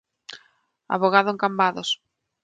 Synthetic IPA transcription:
a̰βoɣ̞aðʊeŋkambaðos

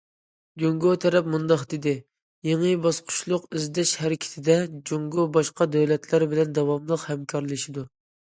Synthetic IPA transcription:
d͡ʒoŋɡot̪ʰɛɾɛp̚mund̪ɑχd̪ɪd̪ɪ | jeŋɨbɑsqʰʊ̥ʃlˠʊqyzd̪ɛʃhæɾɪkʲʰɪ̥t̪ʰɪd̪ɛd͡ʒoŋɡobɑʃqɑd̪ɛwlɛt̪ʰlæɾbɪlɛnd̪ɑwɑmlˠəqhɛmkʰɑɾlˠɨʃid̪u

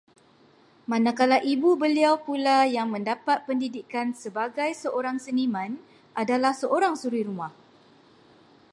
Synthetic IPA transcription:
mãnakalaʔibubəliawpulajaŋmə̃ndapat̪̚pəndidikansəbaɡajsəʔoɾaŋsənimãn | ʔadalahsəʔoɾaŋsuɾiɾumah

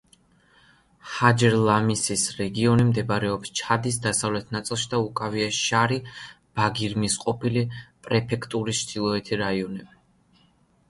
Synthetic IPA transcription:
had͡ʒɛɾlˠamisisɾɛɡiɔnimd̪ɛbɾɛɔpst͡ʃʰad̪isd̪asavlɛt̪ʰnat̪sʼilˠʃid̪aukʼaviaʃaɾi | b̥aɡiɾmisqʼɔpʰilipʼɾɛpʰɛkʰt̪ʼuɾist͡ʃʰd̪ilˠɔɛt̪ʰiɾaiɔnɛbi

